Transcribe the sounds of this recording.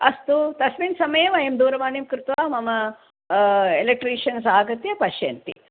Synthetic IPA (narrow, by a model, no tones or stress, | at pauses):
ɐst̪ut̪ɐsminsɐmɐjɐʋɐjɐmd̪uːɾɐʋaːnimkɾɪt̪ʋaːmɐmɐ | elek̚ʈɾiːʃɐnsaːɡɐt̪jɐpɐʃjɐ̰nt̪ḭ